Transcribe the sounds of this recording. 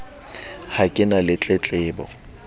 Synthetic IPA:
hakʼɪnalɪt͡ɬʼɛt͡ɬʼɪːbɔ̰

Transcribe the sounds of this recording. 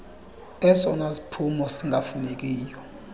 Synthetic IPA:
ɛsɔnasi̥pʰumɔsiŋɡʱafunek̬iːjɔ

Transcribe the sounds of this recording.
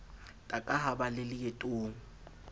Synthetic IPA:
tʼakʼaɦabalɪlɪketʼʊːŋ̩

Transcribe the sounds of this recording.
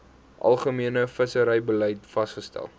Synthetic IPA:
ʔɐ̰lˠχəmiənəfəsəɾəjbələjtfɐsχəstæ̰lˠ

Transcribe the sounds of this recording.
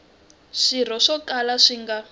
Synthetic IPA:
ʂir̤ɔʂɔkalaʂiŋɡa

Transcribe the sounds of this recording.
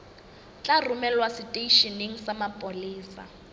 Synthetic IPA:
t͡ɬʼarumɛlwasɪtʼeiʃiniŋ̩samapʼoliːsa̰

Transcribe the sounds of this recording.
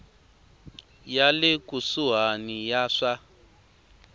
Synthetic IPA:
jalekusuɦanijaʂa

